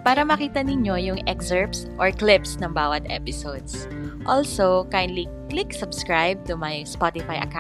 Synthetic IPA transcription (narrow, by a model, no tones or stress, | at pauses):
paːɾɐmɐkiːt̪ɐnɪɲo̞jʊŋʔɛksɛɹpsʔɔɹklɪpsnɐŋbaːwɐt̪̚ʔɛ̰pɪsod̪s | ʔolsokajɪnlikliksɐbskɹajb̚t̪ʊmɐjspat̪ɪfajʔɐ̰ka